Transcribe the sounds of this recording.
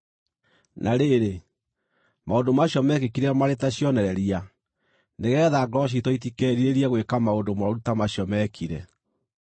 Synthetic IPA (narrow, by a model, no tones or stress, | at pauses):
nʔaɾeɾe | maondomaɕjɔmɛkekiɾɛmaɾetaɕjɔnɛɾɛɾia | neɣɛːðaɡɾɔɕ̬itɔitikɛːɾiɾeɾiaɣwekamaondomaɾutamaɕiɔmɛkʰiɾɛ